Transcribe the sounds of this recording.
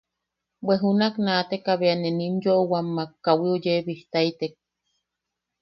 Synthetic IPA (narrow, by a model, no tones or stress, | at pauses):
weɦunaknat̪ekaβeanenimjoʔwamːakːawiojeβiht̪ait̪ek̚